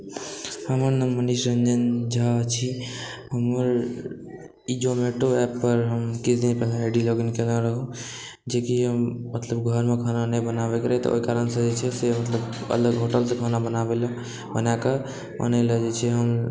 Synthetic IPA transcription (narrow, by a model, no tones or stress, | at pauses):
həməɾnəməniʃɾənd͡ʒənd͡ʒʱat͡ʃʰi | həməɾ | id͡ʒomeʈoɛpːəɾɦəmkisd̪inpɛlaːɖiloɡənkelãɾəɦũ | d͡ʒekiɦəmmət̪ləbɡʱəɾmekʰananəbənabekɾəɦɛt̪ɔ̰ʔo̰ikaɾənsə̃d͡ʒet͡ʃʰɛsemət̪ləbə̰ləɡɦoʈəlsẽkʰanabənabel | bənake | bə̰nələd͡ʒet͡ʃʰɛɦəm